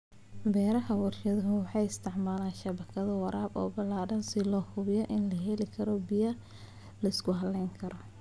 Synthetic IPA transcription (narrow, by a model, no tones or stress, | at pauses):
bɛːɾɐɦɐwɐrʃɐðɐɦʊwɑħɑjɪst̪ʰɪʕmaːlaːnʃɐβɐkʰɐðɐwɑɾaːbɔ̰ːbɐlaːɖɐnsɪlɔːhʊβɪjɔʔɪnlɐɦɛlɪkʰɐɾɔbijɐ | lɐɪskʰʊɦɐlːɛjŋkʰɐɾɔ